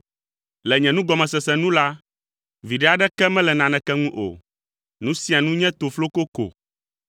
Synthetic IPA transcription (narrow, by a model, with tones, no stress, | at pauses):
lɛ˨ɲɛ̃˨nũ˦ɡɔ˨mɛ̃˨sɛ˨sɛ˨nũ˦la˦ | vi˨ɖɛ˦a˨ɖɛ˦kɛ˦mɛ̃˦lɛ˨nã˨nɛ̃˨kɛ˦ŋũ˦ʔo̰˨ | nũ˦si˦a˨nũ˦ɲɛ̃˦t̪o˨flo˦ko˦ko̰˨